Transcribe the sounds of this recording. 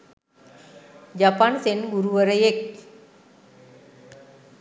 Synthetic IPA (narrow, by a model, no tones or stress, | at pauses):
d͡ʑapaːnsenɡuɾuʋɐɾɐjek